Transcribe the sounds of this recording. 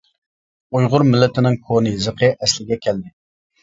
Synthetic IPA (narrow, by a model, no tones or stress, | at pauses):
ujʁʊɾmɪlːɪt̪ʰɪnɪŋkʰonɨzɨqʰəʔɛslɪɡʲɛkʲʰɛld̪ɪ